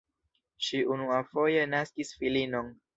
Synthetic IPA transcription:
ʃiʔunuafo̞je̞naskisfilino̞n

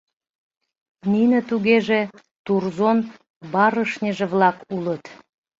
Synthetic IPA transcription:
ninət̪uɣeʒe | t̪urzon | bɑɾəʃnʲəʒĕβlɑkulət̪

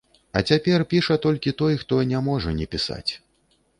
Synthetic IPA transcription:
ɐ̰t͡sʲapʲɛrpʲiʂɐt̪ɔlʲkʲit̪ɔjxt̪ɔnʲamɔʐɐnʲɛpʲisa̰t͡sʲ

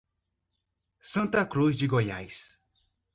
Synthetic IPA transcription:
sʌ̃nt̪akɾosd͡ʒiɡɔjajs

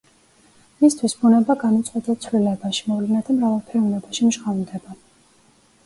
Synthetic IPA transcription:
mist̪ʰwisbunɛbaɡanut̪sʼqʼwɛd̪at̪sʰvlilɛbaʃi̥mɔvlɛnad̪amɾavalˠpʰɛɾunɛbaʃimʒʁand̪ɛba

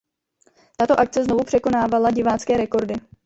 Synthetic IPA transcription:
t̪at̪o̞ʔak̚t͡sɛzno̞vupr̝̥ɛko̞naːvalaɟɪvaːt͡skɛːɾɛko̞ɾdɪ

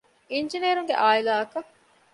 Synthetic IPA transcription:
ind͡ʒinieːɾuŋɡḛʔaːilaːɐkɐ

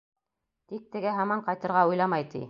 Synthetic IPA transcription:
t̪ik̚t̪ɘ̆ɡæɦɑmɑɴqɑjt̪ɤ̆ɾʁɑujlˠɑmɑjt̪ḭ

